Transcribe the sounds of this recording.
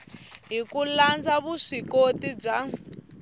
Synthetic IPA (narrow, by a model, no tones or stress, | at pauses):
ɦikuland͡zaβuʂikotib͡ʐa